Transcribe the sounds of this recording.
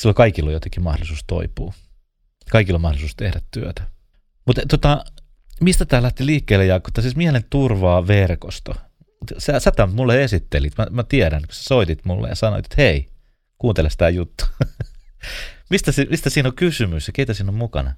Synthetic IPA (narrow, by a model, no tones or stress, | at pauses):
silːokɑikilːojot̪eŋkːimɑhdolisuːst̪o̰ipuː | kɑikilːomɑhdolisuːst̪ehdæt̪t̪yøt̪æ̥ | mut̪t̪ot̪ɑ | mist̪æt̪æːlæht̪iliːkːeːlːejɑkːo̥t̪ːɑsiːsmiælent̪urʋɑːʋerkost̪o | ut̪sæsæt̪æmmulːeesit̪ːelit̪mæmæt̪iæɾænkysæ̥soit̪it̪mulːḛjɑ̰sɑno̰it̪je̥t̪hei | kuːnt̪elest̪æːjut̪ːu̥ | mist̪æsimist̪æsiːnokysymysjɑkeit̪æsiːnommukɑ̰nɑ